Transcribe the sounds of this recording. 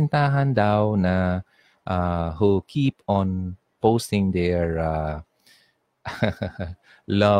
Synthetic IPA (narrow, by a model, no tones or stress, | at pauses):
nt̪aɦãnd̪awna | ʔaɦukʰipɔ̃n | postɪ̃ŋd̪ɛɹa | lʌ